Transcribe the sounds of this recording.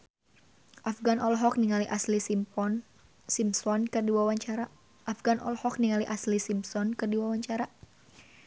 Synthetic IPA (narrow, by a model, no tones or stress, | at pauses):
ʔafɡanɔlɦɔk̚niŋaliʔaslis | simsɔnkɨrdiwawaɲt͡ʃaɾa | ʔafɡanʔɔ̰lhɔk̚niŋaliʔaslisimsɔnkɨrdiwawaɲt͡ʃaɾa